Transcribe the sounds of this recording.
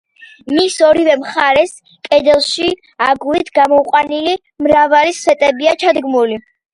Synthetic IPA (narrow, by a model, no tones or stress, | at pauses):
misɔɾivɛmχaɾɛs | kʼɛd̪ɛlˠʃi | aɡuit̪ʰɡamɔuqʼwanili | mɾavalisɛt̪ʼɛbiat͡ʃʰad̪ɡmuli